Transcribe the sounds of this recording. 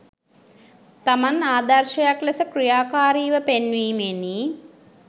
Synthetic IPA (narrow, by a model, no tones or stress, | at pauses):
t̪amanaːd̪ɐɾʃɐjaklɐsəkrijaːkaːɾiːʋəpenʋiːmeni